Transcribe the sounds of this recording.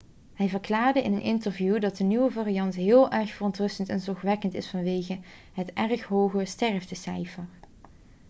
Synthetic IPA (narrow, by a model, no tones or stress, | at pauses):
hɛjvəɹklaːɹdəʔɪnənʔɪntəɹvjudɑt̚dənyʋəvaːrijɑntɦɪːlˠʔɛɹxfərɔntrɵstəntɛnzɔxʋɛkəntɪsfɑnʋejɣə | ɦətɛrxɦowɣəstɛɹvdəsɛ̰jfəɹ